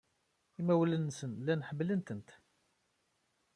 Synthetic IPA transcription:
imæwlənːsənlænħəmːlənt̪ənt̪

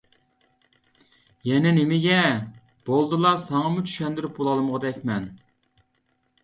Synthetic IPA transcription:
jɛnɪnɪmɪɡʲɛ | b̥olˠd̪ɨlˠɑsɑŋɑmut͡ʃʰy̥ʃɛnd̪ɪɾyp̚bolˠɑlˠməʁɑd̪ɛkʲmɛn

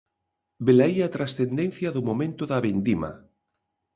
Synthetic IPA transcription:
belajat̪ɾasθend̪en̟θjɐðʊmomẽnt̪ʊðaβend̪ima̰

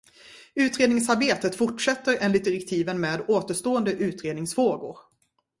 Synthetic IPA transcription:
ʉ̟ːt̪ɾeːd̪nɪŋsaɾbeːt̪ət̪fʊʈʂɛt̪ːəɾɛːnlɪt̪̚d̪ɪɾɛk̚t̪ʰiːvənmeːd̪oːt̪əʂt̪oːənd̪əʔʉ̟ːt̪ɾeːd̪nɪŋsfɾoːɡʊ̰ɾ

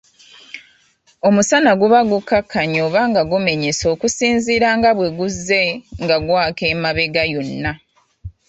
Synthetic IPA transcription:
o̞musanaɡuβaɡukːakʰːaɲo̞ːβaːŋɡaɡume̞ɲeso̞ːkusiːnziːɾaŋɡaβwe̞ɡuzːe̞ŋɡaɡwaːke̞ːmaβe̞ɡajonːa

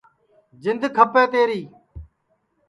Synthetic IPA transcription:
d͡ʒɪnd̪ʱkʰəpeːt̪eːɾiː

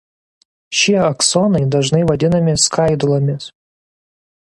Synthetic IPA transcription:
ʃʲiɛɐksɔnɐɪd̪ɐʒnɐɪʋɐd̪ʲɪnɐmʲɪskɐɪd̪ʊlˠoːmʲɪs

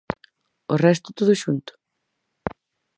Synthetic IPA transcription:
orɛst̪ʊ̥t̪oðʊʃunt̪ʊ̥

